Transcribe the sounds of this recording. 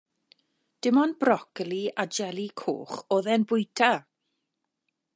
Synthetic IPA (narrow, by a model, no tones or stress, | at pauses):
d̥ɪmɔnbrɔkliʔad͡ʒɛlˠikʰo̰ːχoːðɛnbʊjtʰa